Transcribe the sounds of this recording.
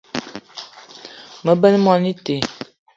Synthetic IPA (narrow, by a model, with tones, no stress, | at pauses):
mə˨bə˦n˦mɔ˦ni˦te˨